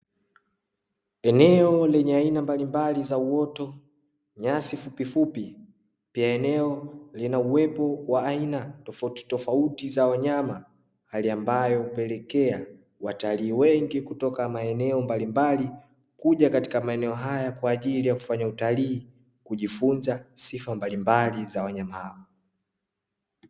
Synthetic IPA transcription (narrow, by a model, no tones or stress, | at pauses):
ɛnɛɔlɛɲɛainambalimbalizauwɔtɔ | ɲasifupifupi | piaɛnɛɔlinauwɛpɔwaainatɔfauti̥tɔfautizawaɲama | haliambajɔupɛlɛkɛa | wataliːwɛŋɡikutɔkamaɛnɛɔmbalimbali | kuʄakati̥kamaɛnɛɔɦajakwaːʄilijaku̥faɲautaliː | kuʄifunzasifambalimbalizawaɲamahaɔ